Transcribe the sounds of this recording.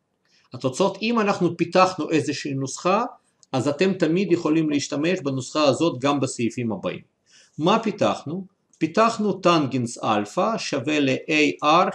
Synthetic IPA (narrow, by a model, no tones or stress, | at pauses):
hat̪ot͡so̞t̪imanaχnupit̪aχnuʔezeʃiːnusχa | ʔazat̪e̞mt̪amid̪jeχo̞limliiʃt̪ame̞ʃbanusχaazo̞t̪ɡambesejifimhaba̰ḭm | mapit̪a̰χnu | pit̪aχnut̪anɡinsa̰lfaʃaveleʔejʔaɾ